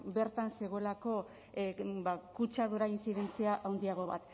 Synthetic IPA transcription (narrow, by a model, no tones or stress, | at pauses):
be̞ɾt̪anse̞ɣ̞o̞elako̞ | bakut͡ʃað̞uɾainsiðe̞nt͡seaʔawnd̪iaɣ̞o̞β̞a̰t̪